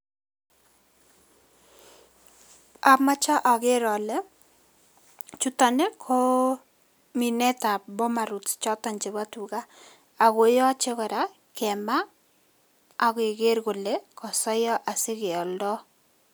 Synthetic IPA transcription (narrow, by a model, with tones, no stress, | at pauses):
a˨ma˦t͡ʃa˦ʔɔ˨ɡe˦ɾɔ˨lɛ˦ | t͡ʃu˦ta˨ne˦kʰo˦ | mi˨nɛ˦ta˨bɔ˦ma˨ɾu˨tt͡ʃɔ˦ta˨nd͡ʒe˨ba˦tu˨ɡaː˦˨ | ɡo˨jɔ˦t͡ʃe˦kɔ˨ɾa˦ | kɛ˨ma˦˨ | ɡɪ˨ɡe˦ɾɡo˨le˦kɔ˨sɔ˦jɔ˦ʔa˨sɪ˦ɡe˨ɔ˨ldɔ˦